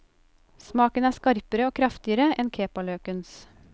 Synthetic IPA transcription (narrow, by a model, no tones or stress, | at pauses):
smɑːkənæːskɑɾpəɾəoːkʰɾɑft̪ɪəɾəʔɛnkʰeːpɑløːkəns